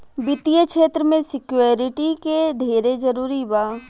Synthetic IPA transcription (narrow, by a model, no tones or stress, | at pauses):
bɪt̪ijəkʃʰeːt̪ɾəmẽsɪkjueːɾɪʈiked̪ʱeːɾed͡ʒɐɾuːɾibaː